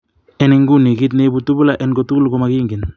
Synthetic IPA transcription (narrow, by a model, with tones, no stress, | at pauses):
ɛ˨ni˨ŋɡu˦ni˨ki˦t̬nebu˨tu˦bu˦la˨ʔɛ˨nɡotu˦ku˦lko˦ma˨kiː˦ŋɡi˨n